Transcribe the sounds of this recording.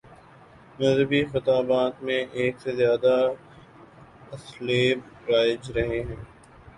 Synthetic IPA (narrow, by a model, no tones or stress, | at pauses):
mɐbixɪt̪aːbaːt̪mẽʔeːksezjaːd̪a | ɐsleːb | ɾaːɪd͡ʒɾɐɦeɦɛ̃ː